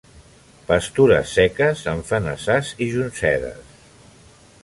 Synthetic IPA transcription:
pəst̪uɾə̰sːɛkəzəɱfənəsaziʒunsɛðə̰s

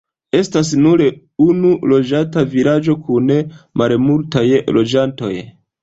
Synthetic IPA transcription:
e̞stas̬nuɾe | unulo̞d͡ʒatavilad͡ʒo̞kʰunemʔalmultajlo̞d͡ʒanto̞̰j

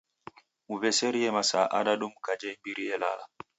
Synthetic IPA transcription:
muvɛsɛɾijɛmasa̰ʔa̰ɗaɗumkad͡ʒɛmbiɾiɛla̰la

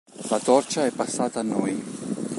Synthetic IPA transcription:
lat̪ɔrt͡ʃaɛpːasːaːt̪aːnːɔj

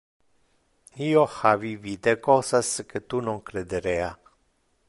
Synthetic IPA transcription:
ioxavivid̪ekosaskət̪unõŋkɾed̪əɾea

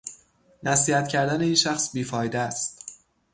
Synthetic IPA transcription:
næsiːhæt̪cʰæɾd̪æne̞iːnʃæxsbiːfɒːjd̪eæst̪

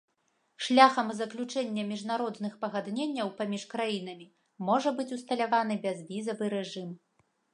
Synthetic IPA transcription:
ʂlʲaxɐmzɐklʲut͡ʂɛnʲːɐmʲiʐnaɾɔd̪nɨxpɐɣad̪nʲenʲːɐwpamʲiʂkɾajin̪ɐmʲi | mɔʐɐbɨt͡sʲust̪ɐlʲavanɨbʲɛzvʲizɐvɨɾɛʐɨm

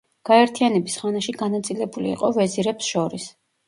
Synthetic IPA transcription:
ɡ̥aɛɾt̪ʰijanɛbisχanaʃiɡanat̪sʼilɛbulḭːqʼɔvɛziɾɛpsʃɔɾis

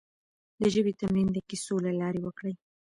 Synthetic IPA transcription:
d̪əʒəbit̪amɾind̪əkisolalɑɾewəkɽəj

